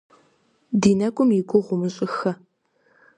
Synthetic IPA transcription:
diːnɐkʷʼʊmjɪɡʷʊʁʷʊmɨɕʼɪxɐ

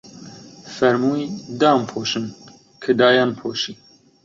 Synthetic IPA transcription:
fɛɾmuːjd̪aːmpʰoːʃɨn | kʰɨd̪aːjaːnpʰoːʃiː

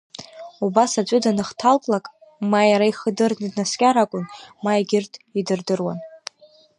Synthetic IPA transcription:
ubasat͡ʃʷʼʊdanɨχtʰaltʼlakʼmajaɾaiχədɨrnɨdnaskʲʼaɾakʷʼʊnmaeɡʲɪrtʰʼidɨrdɨrwan

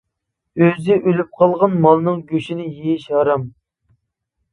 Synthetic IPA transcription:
øzɪʔølyp̚qʰɑlˠʁɑnmɑlˠnɨŋɡʲøʃinɪjejiʃɑɾɑm

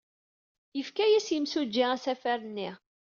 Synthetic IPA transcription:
jəfkæjæsjəmsud͡ʒːɪʁæsæfæɾənːiʁ

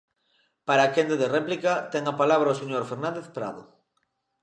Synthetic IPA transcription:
paɾaːkend̪eðerɛplikat̪ɛŋapalaβɾɐoseɲoɾfeɾnãnd̪eθpɾa̰ðo̰

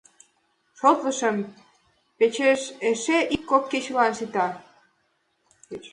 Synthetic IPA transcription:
ʃot̪ləʃəm | pet͡ɕeʃeʃeʔikːokːet͡ɕlɑnʃit̪ɑ

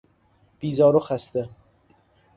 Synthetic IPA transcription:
b̥iːzɒːɾoxæst̪e

